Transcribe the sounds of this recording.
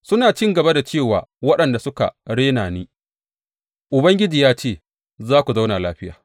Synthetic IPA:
sʊ˦naː˨t͡ʃɪ˦ŋɡɐ˨ba˦da˨t͡ʃeː˦˨wa̰ː˨wɐ˦ɗɐ˨nda˨sʊ˦ka̰˨ɽeː˦naː˨niː˦ | ʔʊ˨bɐ˦ŋɡʲɪ˦d͡ʒiː˨jaː˦t͡ʃeː˦˨ | zaː˦kʷu˨za˦wna˨laː˦ɸɪ˦jaː˨

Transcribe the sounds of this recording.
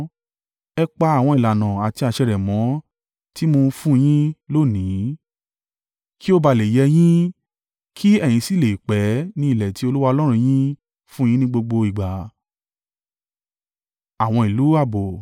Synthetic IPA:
ɛ˧k͡pa˧a˦˨w̃ɔ̃˧i˨la˨nã˨a˨ti˧a˧˨ʃɛ˧ɾɛ˨mɔ̃˨˦ | ti˦mo˧fũ˦˧j̃ĩ˦lo˦˨nĩ˨˦ | ki˦o˦ba˧˨le˨jɛ˧j̃ĩ˦ | kʰi˦ɛ˦˨j̃ĩ˧si˦˨le˨k͡pɛ˨˦nĩ˧˦i˦˨lɛ˨ti˨˦o˧lu˦wa˧ɔ˧lɔ˦ɾ̃ũ˧j̃ĩ˦ | fũ˦˧j̃ĩ˦nĩ˦ɡ͡bo˧ɡ͡bo˧i˨ɡ͡ba˨ | a˨w̃ɔ̃˧i˨lu˨˦a˦˨bo˨

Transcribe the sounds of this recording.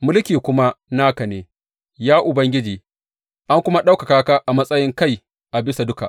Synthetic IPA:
mʊ˦lkʲiː˨kʷʊ˦ma˦naː˦kɐ˨neː˨ | jaː˦ʔʊ˨bɐ˦ŋɡʲɪ˦d͡ʒiː˨ | ʔa˦ŋkʷʊ˦ma˦ɗa˦wka˨kaː˦kaː˦ʔa˨mɐ˦sʼɐ˦jɪ˦ŋka˦˨j | ʔa˨bɪ˦sa˨dʊ˦ka̰˨ʔ

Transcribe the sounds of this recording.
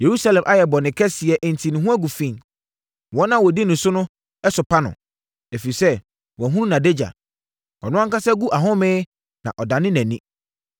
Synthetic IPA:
je˨ɾu˦sa˨lɛ̃˨mʔa˦jɛ˨bɔ˨nɪ̃˨kʰɛ˦sɪ˨ɛ˨ʔn̩˨tʰi˨nɪ̃˨ɦũ˦æ˦ɡu˨fĩ˨n | wɔ̃˦nã˦wɔ˨di˦nʊ̃˨sʊ˦nʊ̃˦ | ɛ˦sʊ˨pʰa˦nʊ̰̃˨ | e˨fi˨ɾi˨sɛ˦ | wɔ̃˨ɦũ˦ɾũ˦nã˨de˦d͡ʑa̰˨ | ɔ̰˨nʊ̃˦ã˦ŋka˦sɛ˦ɡu˦ʔa˨ɦʊ̃˦mɪ̃˦ | nã̰˨ʔɔ˨dã˨nɪ̃˦næ̃˨nĩ˦

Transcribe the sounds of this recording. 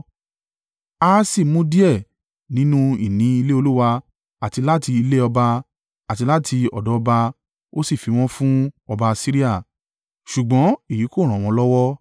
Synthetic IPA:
aː˦si˦˨mũ˦di˦ɛ˦˨ | nĩ˦nũ˦i˨nĩ˨˦i˧le˦o˧lu˦wa˧ | a˨ti˧la˦ti˧i˧le˦ɔ˧ba˧ | a˨ti˧la˦tʰi˧ɔ˨dɔ˨˦ɔ˧ba˧ | o˦si˦˨fi˨˧w̃ɔ̃˦fũ˦ɔ˧ba˧si˦ɾi˦a˦˨ | ʃu˨ɡ͡bɔ̃˨˦i˦˨ji˨˦ko˦˨ɾ̃ɔ̃˨w̃ɔ̃˨˧˦lɔ˦wɔ˦

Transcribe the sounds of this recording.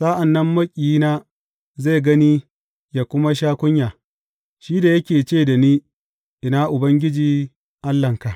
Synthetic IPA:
sa˦ʔa˨nːɐ˦mːɐ˦kʲʼiː˨˦naː˦ | ze˦˨ɡɐ˦niː˦ | jaː˨kʷʊ˦ma˦ʃ̬aː˦kʷʊ˦ɲjaː˨ | ʃiː˦da˨jɐ˦kʲeː˨t͡ʃeː˦˨da˨niː˦ | ʔɪ˨naː˦ʔʊ˨bɐ˦ŋɡʲɪ˦d͡ʒiː˨ | ʔa˦lːɐ˨ŋka˨ʔ

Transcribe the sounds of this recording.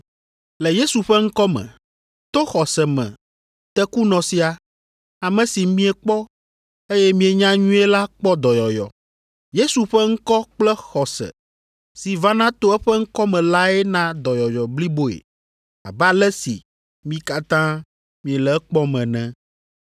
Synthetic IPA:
lɛ˨je˦su˨ɸɛ˦ŋ̩˦kɔ˦mɛ̰̃˨ | t̪o˦xɔ˨sɛ˨mɛ̰̃˨ | t̪ɛ˦ku˦nɔ̃˨si˨a˨ | a˨mɛ̃˨si˨mĩ˦ɛ˨k͡pɔ˦ | e˦jɛ˦mĩ˦e˨ɲã˦ɲũ˦e˦la˦k͡pɔ˦d̪ɔ˨jɔ˨jɔ̰˨ | je˦su˨ɸɛ˦ŋ̩˦kɔ˦k͡plɛ˦xɔ˨sɛ̰˨ | si˨va˦nã˦t̪o˦ɛ˦ɸɛ˦ŋ̩˦kɔ˦mɛ̃˨la˦ɛ˦nã˦d̪ɔ˨jɔ˨jɔ˨bli˦bo˦ḛ˨ | a̰˨bɛ˦a˨lɛ˦sḭ˨ | mĩ˦ka˦t̪ã˦ | mĩ˨ɛ˨lɛ˨˦k͡pɔ˦mɛ̃˨nɛ̃˦

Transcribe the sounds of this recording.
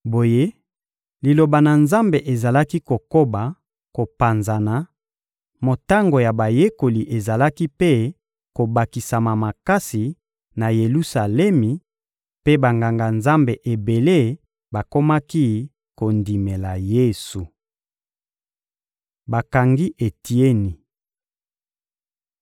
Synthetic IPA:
bo˨je˦ | li˨lo˨ba˨na˨nza˦mbe˨ʔe˨za˨la˦ki˦ko˨ko˦ba˨ | ko˨pa˨nza˨na˨ | mo˨ta˦ŋɡo˨ja˨ba˨je˦ko˨li˨ʔe˨za˨la˦ki˦pe˦ | ko˨ba˨ki˨sa˨ma˨ma˨ka˦si˨ | na˨je˨lu˦sa˨lɛ˦mi˨ | pe˦ba˨ŋɡa˨ŋɡa˨nza˦mbe˨ʔe˨be˨le˦ | ba˨ko˦ma˦ki˦ | ko˨ndi˨me˨la˨je˦su˨ | ba˨ka˨ŋɡi˦ʔe˨ti˨e˦ni˨

